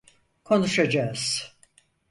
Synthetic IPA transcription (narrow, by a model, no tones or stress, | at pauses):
kʰo̞nuʃad͡ʒaːz̥